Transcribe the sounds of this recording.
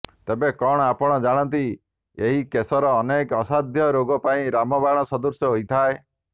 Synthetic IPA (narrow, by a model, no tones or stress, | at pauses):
t̪ebekɔɽ̃ɔapɔɽ̃ɔd͡ʒaɽ̃ɔnt̪i | eɦikesɔɾɔːnekɔsad̪ʱjɔɾoɡɔpaĩɾamɔbaɽ̃ɔsɔd̪uɾsjɔɦoit̪ʰae